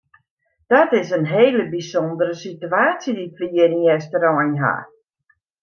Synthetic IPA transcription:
d̥ɔtɪsənɦeːləbisɔndəɾəsityaːsjədifliəriɛstəɾɔjnɦa̰

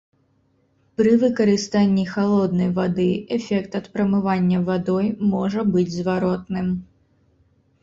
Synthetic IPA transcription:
pɾɨvɨkɐɾɨst̪anʲːixalˠɔd̪nɐjvad̪ɨʔɛfʲɛkt̪ɐt̪pɾɐmɨvanʲːɐvad̪ɔjmɔʐɐbɨd͡zʲzvaɾɔt̪nɨm

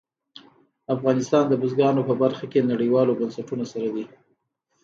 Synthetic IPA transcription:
afɣɑnɪst̪ɑnd̪əbʊzɡɑnopəbaɾxakenaɽiwɑlobansaʈunosaɾad̪i

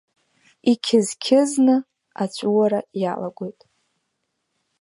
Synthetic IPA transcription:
ikʲʰɪzkʲʰɪznɨ | at͡ʃʷʼuwaɾajalaɡʷojtʼ

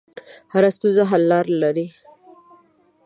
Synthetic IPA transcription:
haɾast̪uzaɦalːɑɾlaɾi

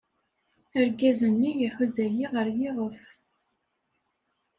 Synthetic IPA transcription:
əɾɡæzənːijəħʊzæjiʁəɾjiʁəf

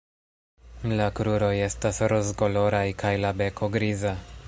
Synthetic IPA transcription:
lakɾuɾo̞je̞stasɾozɡo̞lo̞ɾajkʰajlabe̞kʰo̞ɡɾiza

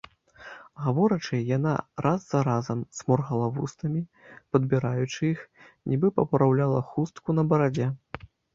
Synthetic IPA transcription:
ɣavɔɾɐt͡ʂɨjana̰ɾʔazːɐɾazɐmsmɔrɣɐlˠavust̪ɐmʲi | pɐd̪bʲiɾajut͡ʂɨix | nʲʔibɨpɐpɾawlʲalˠɐxust̪kunɐbɐɾad͡zʲɛ

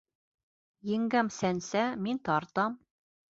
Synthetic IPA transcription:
jɘ̆ŋɡæmsænsæmint̪ɑɾt̪ɑm

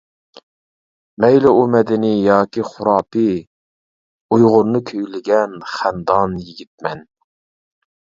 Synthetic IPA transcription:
mɛjlɪumɛd̪ɪnɪjɑːkʲiχʊɾɑːpɨ | ujʁʊɾnɨkʲʰøjlɪɡʲɛnχænd̪ɑnjiɡʲit̪̚mɛn

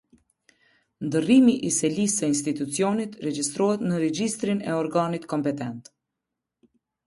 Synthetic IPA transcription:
nd̪ərimiʔisɛlisɛinst̪it̪ut͡siɔnit̪rɛd͡ʒist̪ɾɔhɛt̪nəɾɛd͡ʑist̪ɾinɛɔɾɡanit̪kɔmpɛt̪ɛnt̪

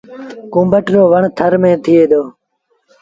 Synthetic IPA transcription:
kũːmbəʈɾoːʋəɳt̪ʰəɾmẽːt̪ʰɪeːd̪oː

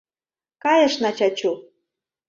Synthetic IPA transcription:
kɑjɤ̆ʃnɑt͡ɕɑt͡ɕu

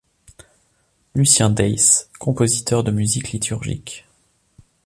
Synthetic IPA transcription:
lysjɛ̃d̪ɛjskʰɔ̃pozit̪œʁd̪əmyziklit̪ʰyʁʒḭk

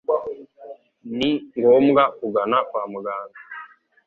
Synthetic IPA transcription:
niŋɡɔmɡakuɡanakwamuɡana

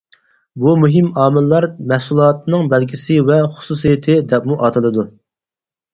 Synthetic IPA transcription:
bumyɦɪmɑːmɪlːɑɾmɛhsulˠɑːt̪̚nɨŋbɛlɡʲʰisɪvɛχʊ̥susijɪt̪ʰɪd̪ɛpmuʔɑːt̪ʰɨlˠɨd̪u

